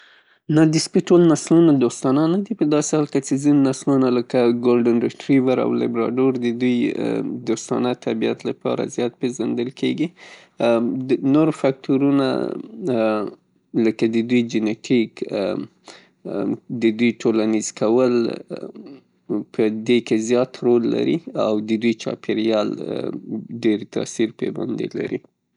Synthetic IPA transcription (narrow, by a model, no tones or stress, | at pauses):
nad̪ɪspiʈolnaslunad̪ost̪ɑnanad̪ipəd̪ɑsɪhɑlkat͡ʃezinnaslunaləkaɡolɖənɾɪʈɾivaɾa̰wlɪ̰bɾɑ̰ɖoɾd̪əd̪uj̰d̪ost̪ɑ̰nat̪ʰabija̰t̪lapɑ̰ɾa̰zjɑt̪̚pezand̪əlkʰeɡi | noɾfak̚t̪uɾuna̰ | ləkad̪əd̪ujd͡ʒɪneʈʰik | d̪əd̪ujʈʰolanizkʰawəl | pʰəd̪ekezjɑt̪ɾolːa̰ɾḭawd̪əd̪ujt͡ʃɑ̰peɾjɑl | ɖeɾt̪ɑ̰siɾpeba̰nd̪ḛla̰ɾḭ